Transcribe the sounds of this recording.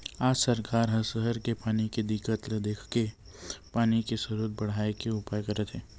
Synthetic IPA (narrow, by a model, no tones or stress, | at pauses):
aːd͡ʒsɐɾkaːɾɦɐsəɦəɾkepaːniked̪ɪkət̪ld̪eːkʰke | paːnikesɐɾuːt̪̚bɐɽ̤aːekeʊpajkəɾet̪ʰɛː